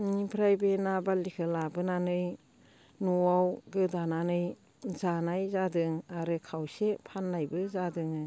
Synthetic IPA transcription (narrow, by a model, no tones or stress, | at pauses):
nipʰɾajbenabalikʰɯlabɯnanɯj | nuawɡɯdananɯj | zanajzadɯŋaɾɯkʰawsepʰanːajbɯzadɯŋɯ